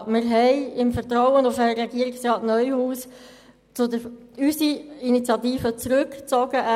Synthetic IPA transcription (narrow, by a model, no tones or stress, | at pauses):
mɪɾɦɛɪɪmfəɾt̪ɾɔwənʊfəɾɛɡ̥iəɾiksrɑːtnœʏhuːs | t͡sʊdə | ysiinit͡sjɑtiːfət͡sɾɵkt͡sɔɡ̥əʔ